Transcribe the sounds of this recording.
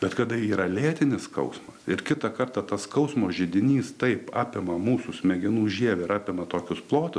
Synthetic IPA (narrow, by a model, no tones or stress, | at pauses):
bʲɛt̪kɐd̪ɐiːɾɐlʲeːt̪ʲɪnʲɪskɐ̰ʊsmɐsɪɾkʲɪt̪ɐkɐrt̪ɐt̪ɐskɐʊsmoːʒʲɪd̪ʲɪnʲiːst̪ɐɪpɑːpʲɪmɐmuːsʊsʲmʲɛɡʲɪnuːʒʲiɛʋʲɛɪɾɑːpʲɪmɐt̪oːkʲʊsplˠoːt̪ʲʊs